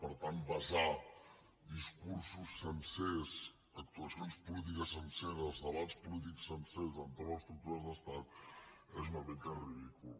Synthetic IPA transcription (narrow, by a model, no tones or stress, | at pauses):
pəɾt̪ant̪̚bɐza | d̪iskuɾsusːənses | ɐk̚t̪uɐsionspulit̪̬ikɐsənsenzðɐβat̪spulit̪̬iksːənsezɐnt̪oɾɐst̪ɾuk̚t̪uɾɐzðəst̪at̪ | ɛzumɐβekɐriðikul